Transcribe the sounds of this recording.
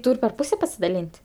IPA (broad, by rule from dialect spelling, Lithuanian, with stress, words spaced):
ˈtuːrʲ pʲɛr ˈpuːsʲɛ pɐsʲɪdɐˈlʲiːnʲtʲ